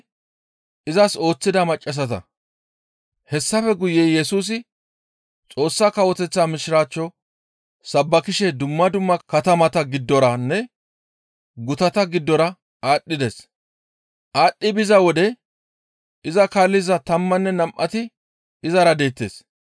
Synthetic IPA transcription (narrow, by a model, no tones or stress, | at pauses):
ʔɪzɐso̞ːt͡sːɪd̪ɐmɐt͡ʃʼːɐs̬ɐt̪ɐ̰ | hɛsːɐfɛɡʊjeːjɛsuːs̬ɪ | t͡sʼo̞ːsːaːkɐwɔt̪ɛt͡sːaːmɪʃɪɾaːt͡ʃːɔ | sɐbːɐkɪʃɛd̪ʊmːɐd̪ʊmːɐkɐt̪ɐmɐt̪ɐɡɪd̪ːɔɾɐnːɛ | ɡʊt̪ɐt̪ɐɡɪd̪ːɔɾɐ | aːɗːɪd̪es | ʔaːɗːɪbɪzɐwɔd̪ɛ | ɪzɐkaːlːɪzɐt̪ɐmːɐnːɛnɐmʔɐt̪ɪ | ɪzɐɾɐd̪e̞ːt̪ːḛːs